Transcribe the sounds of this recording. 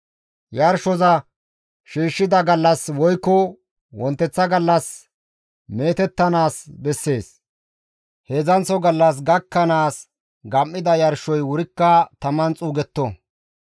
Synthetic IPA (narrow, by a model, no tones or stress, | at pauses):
jɐɾʃɔzɐ | ʃiːʃːɪd̪ɐɡɐlːɐswɔjkːɔ | wɔnt̪ːɛt͡sːɐɡɐlːɐs | me̞ːt̪ɛt̪ːɐnaːsbɛsːe̞ːs | hezɐnt͡sɔɡɐlːɐs̬ɡɐkːɐnaːs | ɡɐmːɪd̪ɐjɐɾʃɔjwʊɾɪkːɐt̪ɐmɐnt͡sʼuːɡɛt̪ːɔ